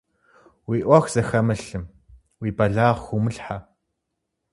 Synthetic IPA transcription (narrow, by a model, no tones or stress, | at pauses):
wiːʔʷɐxʷz̥ɐxɐmɐɬɨm | wiːbɐɮaːʁxʷumɨɬħa